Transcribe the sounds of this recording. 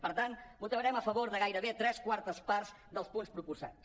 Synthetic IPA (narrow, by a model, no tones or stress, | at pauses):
pəɾt̪anmut̪əβɾɛməfəβoɾðəɣ̞ajɾəβet̪ɾɛskwaɾt̪əspaɾz | d̪əlˠspunspɾupursa̰t